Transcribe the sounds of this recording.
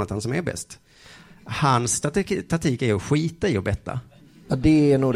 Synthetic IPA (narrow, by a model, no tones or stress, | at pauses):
at̪hansɔmæɾbɛ̰st̪ | hanst̪att̪ʰat̪ʰiːkæɾɔɧiːt̪aɪɔbɛt̪ːa̰ | ɑd̪ɛænuːɡd